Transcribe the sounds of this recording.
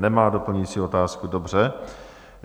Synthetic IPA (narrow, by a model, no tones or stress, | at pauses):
nɛmaːdopl̩ɲit͡sio̞t̪aːskudobr̝ɛ